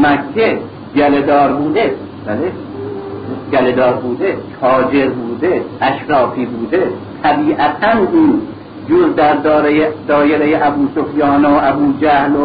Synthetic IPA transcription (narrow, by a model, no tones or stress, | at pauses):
mækʲʰːe | d͡ʒæled̪ɒːɾbuːd̪e | bæle | d͡ʒæled̪ɒːɾbuːd̪ek̪ʰɒːd͡ʒe̞ɾbuːd̪eʔæʃɾɒːfiːbuːd̪et̪ʰæbiːʔæt̪ʰænuːn | d͡ʒoɾd̪æɾd̪ɒːɾejed̪ɒːjeɾejeʔæbuːsofjɒːneʔæbuːd͡ʒæhlo